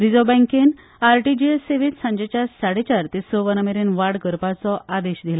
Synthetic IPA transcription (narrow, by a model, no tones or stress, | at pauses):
ɾid͡zɔbɛ̃ŋken | aɾʈid͡ʑeeseʋinsãɲd͡ʑet͡ɕjasaɽet͡ɕaɾt̪isɔʋənəmeɾenʋaɽkəɾpat͡sɔʔad̪eɕd̪ʱila